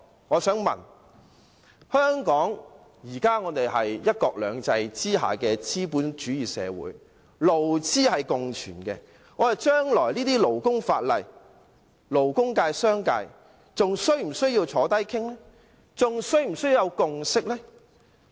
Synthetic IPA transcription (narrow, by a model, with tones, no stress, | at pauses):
ŋɔː˨˧sœː˨˥ŋmɐ̰˨n | hœː˥ŋkɔː˨˥ŋ | jiː˨˩kaː˥ŋɔː˨˧t̪e˨jɦɐ˨jjɐ˥t̚kɔː˧k̚lœː˨˧ŋt͡sɐ˧jt͡siː˥ɦa̰ː˨kɛː˧t͡siː˥puː˨˥nt͡ʃyː˨˥jiː˨˩sɛ̰ː˨˧wṵː˨˥j | lo˨˩wt͡siː˥hɐ˨jkʊ˨ŋt͡ʃʰy̰ː˨˩nkɛ̰ː˧ | ŋɔ˨˧˥hɐ˨jt͡ʃœː˥ŋlɔː˨˩jliː˥t̪iː˥lo˨˩wkʊ˥ŋfaː˧t̚lɐ̰˨j | lo˨˩wkʊ˥ŋkaː˧jsœː˥ŋka̰ː˧j | t͡sʊ˨ŋsɵ˥ɥm̩˨˩sɵ˥ɥjiː˧wt͡sʰɔː˨˥t̪ɐ˥jkʰɪ˥ŋlɛː˥ | t͡sʊ˨ŋsɵ˥ɥm̩˨˩sɵ˥ji˧jɐ˨˧wkʊ˨˧ŋsɪ˥k̚lɛː˥